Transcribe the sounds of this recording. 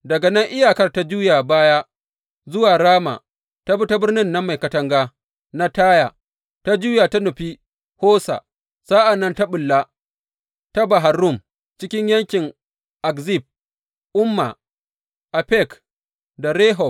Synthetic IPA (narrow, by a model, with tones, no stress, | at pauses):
dɐ˨ɡa˨nɐ˦ŋʔɪ˦jaː˨kɐ˦rta˦d͡ʒuː˦ja˨baː˦ja˦ | zʊ˦waː˨ɾaː˦ma̰˨ | ta˦bu˦ta˦bɪ˦rnɪ˦nːa˦mːa˨jkɐ˨tɐ˦ŋɡaː˦ | na˦taː˦ja˨ | ta˦d͡ʒuː˦ja˨ta˦nʊ˨ɸi˦ | hoː˦sa̰˨ | sa˦ʔa˨nːɐ˦nta˦ɓʊ˨lːa˦ | ta˦ba˨ɦa˨rʊ˦˨m | t͡ʃɪ˦kʲɪ˦ɲjɐ˦ŋkʲɪ˨ŋ | ʔa˨kzi˦˨b̚ | ʔʊ˦mːa̰˨ | ʔa˨pɛ˦˨k | da˨ɾeː˦ɦɔ˨